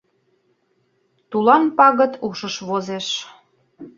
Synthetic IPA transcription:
t̪ulɑmpɑɣə̆t̪uʃəʃβozeʃ

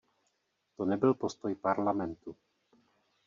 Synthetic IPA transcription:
t̪o̞nɛbɪlpo̞st̪o̞jpaɾlamɛnt̪u

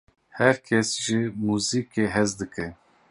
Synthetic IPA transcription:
hɛɾkʰɛsʒɪmuːziːkeɦɛzd̪ɨkʰɛ

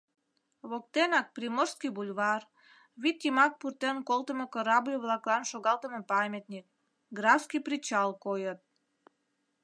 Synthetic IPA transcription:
βok̚t̪enɑk̚primorskibulʲβɑr | βit̪jimɑk̚purt̪enkolt̪əməkəɾɑbjoβlɑklˠɑnʃoɣɑlˠt̪əmə̆pɑmʲet̪nʲik̚ | ɡrɑfskiprit͡ɕɑlkojət̪̚

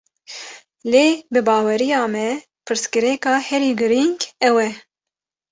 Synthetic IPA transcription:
leːbɨbɑːwɛɾijɑːmɛ | pʰɨɾskɨɾɛkɑːhɛɾiːɡɨɾiŋɡɛwɛ

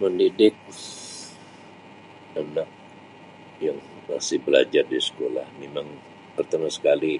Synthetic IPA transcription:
məndidɪk̚ | anak̚ | jaŋ | ma̰sɪhbəla̰d͡ʒardisə̥ko̰la̰hmemaŋ | pərt̪amasə̥kali

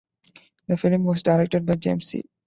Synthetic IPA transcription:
d̪əfɪlmʋɔːzɖaɪɾek̚ʈeɖ̚baɪd͡ʒḛ̃msḭː

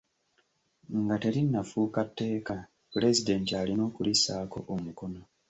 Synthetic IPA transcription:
ŋɡate̞ɾinːafuːkatːe̞ːka | puɾe̞zide̞ntialino̞ːkulisaːko̞̰ʔomuko̞no̞

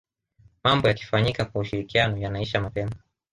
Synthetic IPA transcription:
mambɔjaki̥faɲikakwauʃiɾikianɔjanaiʃamapɛma

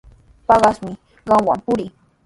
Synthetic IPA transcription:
pɑɢɑsmɪ | ɢɑmwa̰mpʊɾɪ

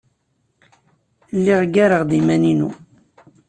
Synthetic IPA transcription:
lːiʁɡaɾəʁd̪imæninu

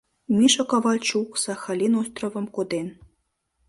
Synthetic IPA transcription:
mʲiʃokɑvɑlʲt͡ɕuksɑxɑlʲinost̪rovɤ̆mkod̪en

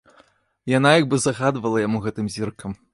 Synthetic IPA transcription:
janajaɡ̚bɨzaɣad̪vɐlˠɐjamuɣɛt̪ɨmzʲirkɐm

